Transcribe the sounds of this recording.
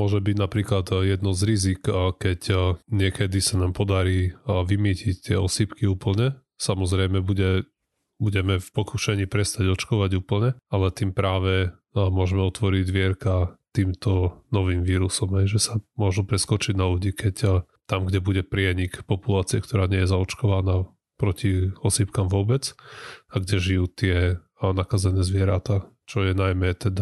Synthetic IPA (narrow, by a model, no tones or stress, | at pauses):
mʊɔʒɛbiɟnapɾiːklad̪jɛd̪nɔzɾizikkɛcɲɪɛkɛd̪isanaːmpɔd̪aɾiːʋimicict̪ɪɛɔsipkiuːpl̩ɲɛ | samɔzɾɛjmɛbuɟɛ | buɟɛmɛfpɔkuʃɛɲiːpɾɛst̪aɟɔt͡ʃkɔʋaɟuːpl̩ɲɛalɛt̪iːmpɾaːʋɛ | mʊɔʒɛmɛɔt̪ʋɔɾiɟzʋɪɛɾkat̪iːmt̪ɔnɔʋiːmʋiːɾusɔmɦɛjʒɛsamʊɔʒupɾɛskɔt͡ʃiɟnaluɟiːkɛcː | t̪amɡɟɛbuɟɛpɾɪɛɲikpɔpulaːt͡siɛkt̪ɔɾaːɲɪɛjɛzaɔt͡ʃkɔʋanaː | pɾɔciɔsipkamʋʊɔbɛt͡saɡɟɛʒijuːt̪ɪɛ | nakazɛnɛːzʋɪɛɾat̪at͡ʃɔjɛnajmɛt̪ɛd̪a